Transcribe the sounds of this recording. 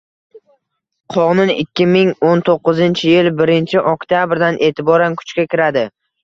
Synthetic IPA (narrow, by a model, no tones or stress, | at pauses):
qʰɒʁnʊnɪkʲːɪmɪŋont̪ʰoqːɨzɪnt͡ʃʰɪjɪlbɪɾɪnt͡ʃʰɪʔɒkʲt̪ʰjabɾd̪anʔe̞ːt̪ʰɪbɒɾankʰʊ̥t͡ʃkʲakʲʰɪɾad̪ɪ